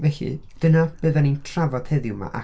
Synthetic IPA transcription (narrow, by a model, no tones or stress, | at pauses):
vɛɬɨ̰d̥ənab̥əːðanintʰravɔd̥hɛðɪwma̰ʔa̰